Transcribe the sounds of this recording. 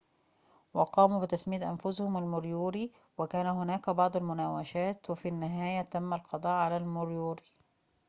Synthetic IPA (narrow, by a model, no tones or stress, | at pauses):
wɑqɑːmuːbɪt̪asmiːt̪ʔanfʊshʊmalmʊɾjuːɾi | wɪkaːnæhʊnaːkæbɑʕd̪ˤalmʊnaːwaʃaːt̪wɪfinːɪɦaːjat̪amːalqɑd̪ˤɑːʔʕalaːlmʊɾjuːɾi